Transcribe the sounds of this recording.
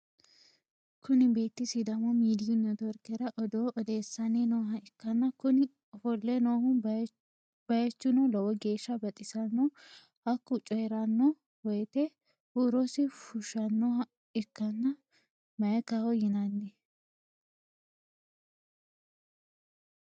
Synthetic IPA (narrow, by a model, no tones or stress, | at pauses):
kʊnɪbe̞ːt̪ːɪsɪd̪ɐmɔmiːd̪ɪjʊnːɔd̪ɔɾkɛɾɐʔɔd̪oːʔɔd̪e̞ːsːɐnenoːɦɐɪkːɐnːɐkʊnɪ | fɔlːɛnoːhʊ | b̥ɐjɛt͡ʃːʊnɔlɔwɔɡe̞ːʃːɐbɐt̪ʼɪsɐnːɔ | hɐkːʊt͡ʃʼɔjɾɐnːɔ | wɔjt̪ɛ | huːɾosɪfʊʃɐnːɔɐ | ɪkːɐnːɐ | mɐjɛkawɔjɪnɐnːɪ